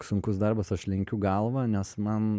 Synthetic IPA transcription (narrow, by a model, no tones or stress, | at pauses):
sʊŋkʊsd̪ɐrbɐsɐʃlʲɪŋʲkʲʊɡɐlˠʋɐnʲɛsmɐn